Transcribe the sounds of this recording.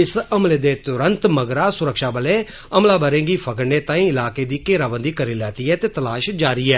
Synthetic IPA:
ɪsəmleːd̪eːt̪ʊɾə̃nt̪məɡɾaːsʊɾəkʃaːbəlẽː | əmlaːbəɾẽːɡiːpʰəkəɾneːt̪ãːĩːɪlaːkeːd̪iːkeːɾaːbənd̪iːkəɾiːlɛːt̪iːɛːt̪eːt̪əlaːʃd͡ʒaːɾiːɛː

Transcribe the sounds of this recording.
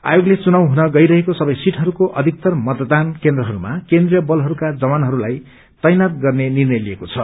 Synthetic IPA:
a̰joɡlet͡sunawɦunʌɡʌjɾʌɦekosʌbʌjsiʈɦʌɾukoʔʌd̪ʱik̚t̪ʌrmʌd̪d̪ankend̪ɾrʌɦʌɾumakend̪rijʌbʌlɦʌɾukad͡zʌbanɦʌɾulaj | t̪ʌjnat̪̚ɡʌrnenirnʌjliekot͡sʰʌ

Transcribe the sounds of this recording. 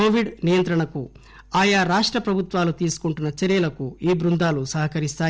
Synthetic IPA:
koːʋiɖnijɐnt̪ɾɐɳɐku | aːjaːɾaːʂʈɾɐpɾɐbʱut̪ʋaːlut̪iːsu̥kuɳʈunːɐt͡ʃɐɾjɐlɐkuiːbɾund̪aːlusɐɦɐkɐɾist̪aː

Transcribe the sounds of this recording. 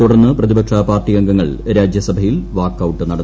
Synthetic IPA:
t̪uɽɐrnːɨprɐðibɐkʂapaːrʈːijɐŋɡɐŋːɐɭɾaːd͡ʑjɐsɐbʱɐjilʋaːkːɐwʈːɨnɐɽɐ

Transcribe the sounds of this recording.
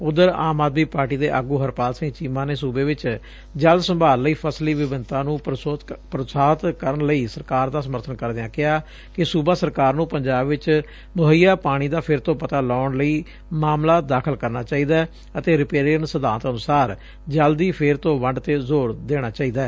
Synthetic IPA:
ʊd̪əɾaːmaːd̪miːpaːɾʈiːd̪eːʔəɡuːɦəɾpaːlsɪ̃ŋt͡ʃiːmãːneːsuːbeːʋɪt͡ʃ | d͡ʒəlsəmbaːlːəiːpʰəsliːʋɪʋɪnt̪ãːnũːpɾəsaːt̪kəɾəɳləiːsəɾkaːɾd̪aːsəməɾt̪ʰənkəɾd̪eːãːkɪɦaː | kɪsuːbaːsəɾkaːɾnũːpəɲd͡ʒaːbʋɪt͡ʃ | mʊɦəijaːpaːɽ̃iːd̪aːpʰɪɾt̪õːpət̪aːlɔːɳləiː | maːmlaːd̪aːkʰəlkəɾnaːt͡ʃaːiːd̪aː | ət̪eːɾɪpeːɾiəɳsəd̪aːt̪ənʊsaːɾ | d͡ʒəld̪iːpʰɪɾt̪õːʋəɳɖt̪eːzoːɾd̪eːɽ̃aːt͡ʃaːiːd̪aːɛː

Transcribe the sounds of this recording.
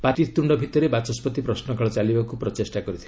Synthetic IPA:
paʈiɾt̪uɳɖɔbʱit̪ɔɾebat͡ʃɔspɔt̪ipɾɔsnɔkaɭɔt͡ʃalibakupɾɔtesʈakɔɾit̪ʰi

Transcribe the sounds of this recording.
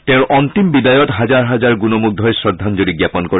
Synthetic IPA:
t̪ɛ̃ʊ̃ʔɔnt̪imbid̪ajɔtɦad͡ʒaɹɦad͡ʒaɹɡunɔmuɡ̚d̪ʱɔesɹɔd̪ʱːand͡ʒoɽiɡjapɔnkɔ

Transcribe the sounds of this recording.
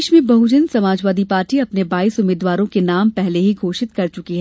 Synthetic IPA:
ʃmẽbɐɦʊd͡ʒənsɐmaːd͡ʒʋaːd̪ipaːɾʈiɐpnebaːiːsʊmeːd̪ʋaːɾõkenaːmpɛɦleɦiɡʱoːʃɪt̪kɐɾt͡ʃʊkiɦɛː

